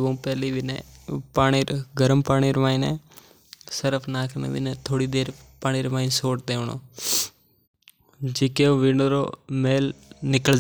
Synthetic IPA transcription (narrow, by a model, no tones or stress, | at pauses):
ʋə̃pɛːliʋɪnḛpaːɽ̃iːɾɡəɾəmpaːɽ̃iːɾʋaːĩnɛ | səɾəpʰnaːkʰnə̰ʋɪ̰net̪ʰoːɽiːd̪eːɾpaːɽ̃iːɾʋãːĩnsoːʈ̚d̪eːʋɳ̃o̰ː | d͡ʒɪkeõʋɪnɾo̰meːlnɪkə